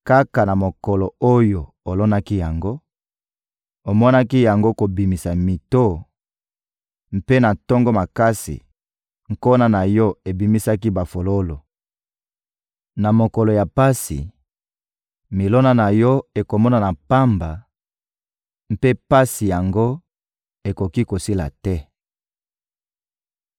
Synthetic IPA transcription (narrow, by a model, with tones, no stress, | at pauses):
ka˦ka˨na˨mo˨kɔ˨lo˨o˦jo˨ | o˨lɔ˦na˦ki˦ja˨ŋɡo˦ | o˨mɔ˦na˦ki˦ja˨ŋɡo˦ko˨bi˨mi˨sa˨mi˨to˦ | m̩˦pe˦na˨tɔ˦ŋɡo˦ma˨ka˦sḭ˨ | ŋ̩˨ko˦na˦na˨jɔ˦e˨bi˨mi˦sa˦ki˦ba˨fo˨lo˦lo˨ | na˨mo˨ko˨lo˨ja˨pa˦sḭ˨ | mi˨lo˦na˦na˨jɔ˦e˨ko˨mɔ˦na˨na˨pa˦mba˨ | m̩˦pe˦pa˦si˨ja˨ŋɡo˦ | e˨ko˨ki˦ko˨si˦la̰˨tɛ˦